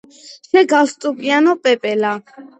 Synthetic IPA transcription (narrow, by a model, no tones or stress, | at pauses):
ʃɛɡalst̪ʼupʼianɔpʼɛpʼɛla